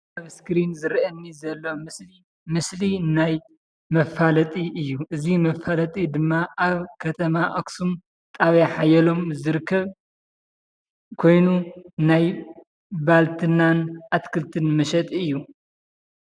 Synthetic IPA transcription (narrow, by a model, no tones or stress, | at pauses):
aβskɾinzɨɾʔɐnːizɐlːomɨi | mɨslinaj | mɐfalɐt̪ʼiʔɨjːuʔɨzimɐfalɐt̪ʼid̪ɨmːaʔaβkʰɐt̪ʰɐmaʔoksum | t̪ʼaβjaħajɐlo̞mzɨɾɨkʰːɐβ | kʰo̞jnunaj | balt̪ʰɨnːanʔat̪kʰɨlt̪ʰɨnmɐʃɐt̪ʼɨjːu